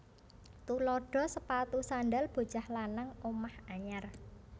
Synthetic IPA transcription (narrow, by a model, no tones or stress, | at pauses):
t̪ulɔɖ̥ɔ̤səpat̪usanɖalb̥o̤t͡ʃahlanaŋomahaɲar